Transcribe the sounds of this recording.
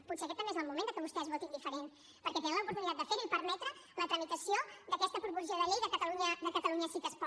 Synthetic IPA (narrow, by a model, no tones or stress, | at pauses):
put̪seəkɛt̪ːəmbezəlˠmumẽnd̪əkəβust̪ɛəzβɔt̪ind̪ifəɾen | pəɾkɛt̪ɛnə̃ləupuɾt̪unit̪at̪d̪əfeɾipəɾmɛt̪ɾələt̪ɾəmit̪əsiod̪əkɛst̪əpuɾβuɾʒiəðəʎejðəkət̪əluɲəðəkət̪əluɲəsit̪əspɔ